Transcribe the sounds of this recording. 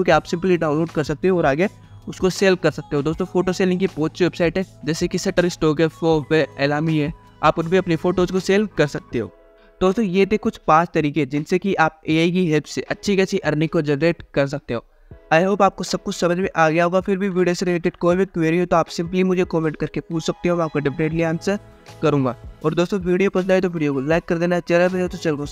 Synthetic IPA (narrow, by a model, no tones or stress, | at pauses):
õkiaːpsɪ̃mpliɖaːʊnloːɖkɐɾsɐk̚t̪eɦõɔːɾaːɡja | ʊskoseːlkɐɾsɐk̚t̪eɦõd̪oːst̪õfoːʈoseːlɪ̃ŋkibɔːt̪ʃiʋeːpsaːɪʈɦɛ̃ːd͡ʒɛːsekisɛʈəɾɪsʈoːkɛfoːʋeeːlaːmiɦɛː | a̰ːpʊɾbʱiɐpnifoːʈoʊskoseːlkɐɾsɐk̚t̪eɦo̰ː | d̪̥oːst̪õjet̪ʰekʊt͡ʃʰpãːt͡ʃt̪ɐɾiːkeɦɛd͡ʒɪnsekiʔaːp̚eːaːikiɦɛlpseʔɐtːʃʰikiɐʃʰiʔɐɾnikːod͡ʒɛnɾeːʈkɐɾs̬ɐk̚t̪eɦoː | aːjɦoːbaːp̚kosɐb̚kʊt͡ʃʰsɐməd͡ʒmẽʔaːɡɐjaɦoɡafʰɪɾbʱiʋiːɖijoːseɾɪleːʈɪɖkoːmɪʈkʋeɾiɦot̪oaːpsɪ̃mplimʊd͡ʒʱekɔːmẽɳʈ̚kɐɾkepuːt͡ʃʰsɐk̚t̪eɦõaːp̚kaɖɪpneːʈliaːnse | kɐɾũːŋɡaːɔːɾd̪oːst̪õʋiːɖijopɐslaːet̪oʋiːɖijokolaːɪkːɐɾd̪eːnaɦɛt͡ʃɛɾaɾɐot̪ot͡ʃɐloː